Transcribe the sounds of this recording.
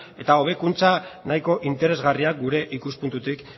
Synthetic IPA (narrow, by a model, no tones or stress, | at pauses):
e̞t̪ao̞β̞e̞kunt͡sanajko̞ʔint̪e̞ɾe̞zɣariak̚ɡuɾe̞ʔikuspunt̪ut̪ik